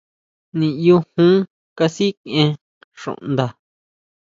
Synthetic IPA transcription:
nĩ˧˨ju˧hũ˦ | ka˧si˦kẽ˧ | ʂõ̰˨˧ʔnd̪a˨

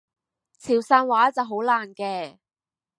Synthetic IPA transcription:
t͡sʰiː˨˩wsaː˧nwaː˨˥t͡sɐ˨wɦo˨˥wlaː˨˩nkɛː˧

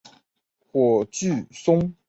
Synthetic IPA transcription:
xwɔ˨˩t͡ɕy˥˨sʊ˥ŋ

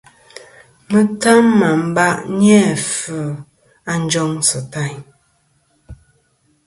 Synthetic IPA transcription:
mə˦ta˦mːa˨m̩˦ba˦ʔɲɛ˦˨fə˨ | a˦n˦d͡ʒɔ˦ŋsɨ˨ta˦˨ɲ

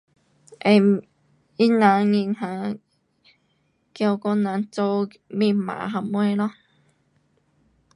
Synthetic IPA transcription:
ʔe˧˨ | i˦˥nã˨˧˦ŋi˧ŋhã˧˦ | kja˧wkɔ˥˧˥nã˨˧˥nt͡so˧w | mĩ˧˨mã̰˨ɦa˧mwe˧lɔ˧˥

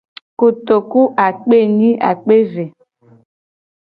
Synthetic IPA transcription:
ko˨t̪o˨ku˦ʔa˨k͡pe˦nĩ˦ʔa̰˨k͡pe˦ve˨

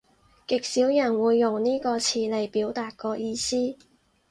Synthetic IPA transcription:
kɪ˨k̚siː˨˥wjɐ˨˩nwuː˨˧jːʊ˨ŋniː˥kɔː˧t͡sʰiː˧le˨˩jpiː˨˥wt̪aː˨t̚kɔː˧jiː˧siː˥

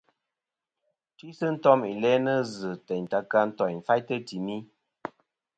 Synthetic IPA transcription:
ti˦sɨ˦n̩˦tɔ˦mi˨lɛ˦nə˦zɨ˨tɛ˨ɲ˨ta˨ka˦n̩˦tɔ˨jn̩˨fa˦jtə˦ti˨mi˦

